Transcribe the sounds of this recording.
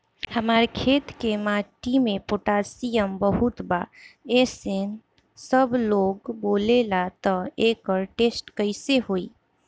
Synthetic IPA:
həmaɾkʰet̪kemaʈimepoʈasijəmbəɦut̪baesen | səbloɡbolelat̪ɔekəɾʈesʈkəɪseɦoi

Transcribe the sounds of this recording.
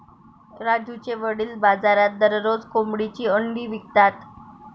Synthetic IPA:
ɾad͡ʑut͡ɕeʋəɽiːlbad͡zaɾat̪̚d̪əɾɾod͡zkomɽit͡ɕiːəɳɖiːʋik̚t̪at̪

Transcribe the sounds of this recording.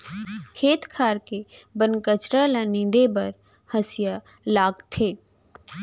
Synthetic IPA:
kʰeːt̪kʰaːɾkebənkət͡ʃɾalanĩnd̪ebəɾ | həsɪja | laːɡt̪ʰeː

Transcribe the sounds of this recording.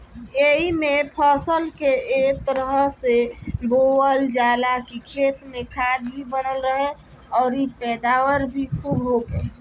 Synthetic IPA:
eɦimẽpʰəsəlkeet̪əɾəɦəsebowəld͡ʒaːlakikʰeːt̪mẽkʰaːd̪ɦibənəlɾəɦe | ɔːɾipɛːd̪aːwəɾbʱikubɦoɡeː

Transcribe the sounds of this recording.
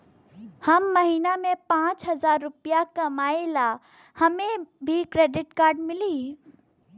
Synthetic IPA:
hɐmːɐɦiːnamẽpãːt͡ʃɦɐzaːɾːʊpijakɐmaːela | hɐmẽbʱikɾeːɖɪʈkaːɾɖmɪliː

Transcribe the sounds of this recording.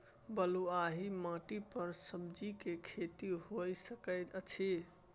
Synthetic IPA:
bəluaɦimãʈipəɾsəbd͡ʒikekʰet̪iɦojsəkəɪt̪ət͡ʃʰe

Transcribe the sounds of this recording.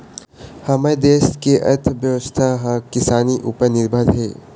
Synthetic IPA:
hɐmed̪eːskeʔɐ̰ɾt̪ʰʋjəʋəst̪ʰaɦãkɪsaːniʔuːpəɾnɪɾbʱəd̪ɦɛː

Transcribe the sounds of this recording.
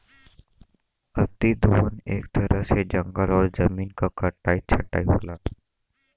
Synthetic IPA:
ɐt̪id̪oːneːk̚t̪ɐɾəɦsed͡ʒɐ̃ŋɡəlɔːɾzɐmiːnkakɐʈːaːit͡ʃʰɐʈːaːiɦoːlaː

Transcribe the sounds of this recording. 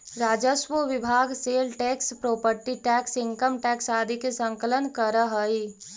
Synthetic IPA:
ɾaːd͡ʒəsʋəʋɪbʱaːɡseːlʈɛkspɾoːpəɾʈiʈɛːksɪ̃ŋkəmʈɛksaːd̪ʱikesəŋkələnkəɾəɦəi

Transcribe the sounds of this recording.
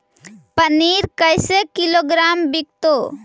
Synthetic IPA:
pəniɾkəjsekiloːɡɾaːmbik̚t̪o

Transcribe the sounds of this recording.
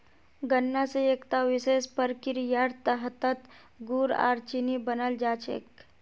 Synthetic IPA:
ɡənːaseekt̪aʋisespəɾkiɾjaɾt̪əɦət̪ət̪ | ɡuɾa̰ːɾt͡ʃinibənəld͡ʒat͡ʃḛk

